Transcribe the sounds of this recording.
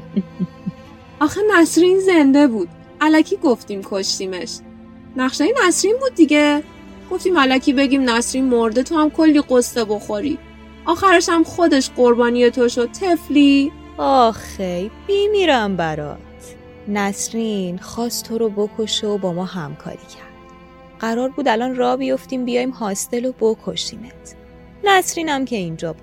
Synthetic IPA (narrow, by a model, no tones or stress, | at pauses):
ɒːxenæsɾinze̞nd̪e̞buːd̪̥ | ælækʰiːɡo̞ft̪iːmkʰoʃt̪iːme̞ʃ | næχʃejenæsɾiːnbuːd̪̚ːiɟe | ɡ̥o̞ft̪iːmælæcʰiːbe̞ɟiːmnæsɾinmoɾd̪et̪ʰohæmkʰolːiːɢosːebo̞xo̞ɾiː | ʔɒːxæɾeʃæmxod̪e̞ʃɢoɾbɒːnije̞t̪ʰoʃo̞d̪̚t̪ʰe̞fliː | ɒxejb̥imiɾæmbæɾɒ̰ːt̪ʰ | næsɾinxɒːst̪t̪ʰoɾobo̞kʰo̞ʃeobɒːmɒːɦæmkʰɒ̰ːɾiːcʰæɾd̪̥ | ɢ̥æɾɒːɾbuːd̪ælɒːnrɒːbijo̞ft̪iːmbijɒːjimɦɒːst̪e̞lobokʰoʃiːmet̪ʰ | næsɾiːnæmcʰe̞ind͡ʒɒːbu̥